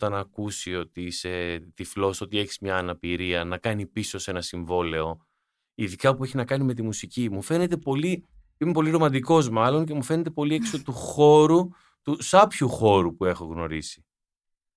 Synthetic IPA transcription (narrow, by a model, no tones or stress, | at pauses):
ot̪ɐnɐkusio̞t̪iise̞t̪iflo̞so̞t̪ie̞çi̥zmɲɐːnɐpiɾiɐnɐkɐnipiso̞se̞nɐsiɱvo̞le̞o̞ | iðikɐpue̞çinɐkɐnime̞t̪̬imusicimufe̞ne̞t̪e̞po̞li | imep̬o̞liɾo̞mɐnd̪iko̞zmɐlo̞nce̞mufe̞ne̞t̪̬e̞po̞lieksot̪uxo̞ɾu | t̪usɐpçuxo̞ɾupue̞xo̞ɣno̞̰ɾisi̥